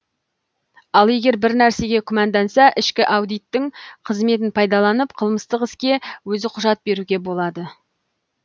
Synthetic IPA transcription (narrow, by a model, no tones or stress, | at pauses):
ɑlˠe̞ɡʲe̞ɾbɪɾnæɾse̞ɡʲe̞kʲʰʊmɑnd̪ɑnsɑʔɪʃkʲɪʔɑwd̪ijt̪ːɪŋqʰəzme̞t̪̬ɪnpʰɑjd̪ɑlˠɑnəpqʰəlˠməst̪əqɪskʲe̞wɵzɪqʰʊʒɑt̪̚be̞ɾuɡʲe̞bo̞lˠɑd̪ə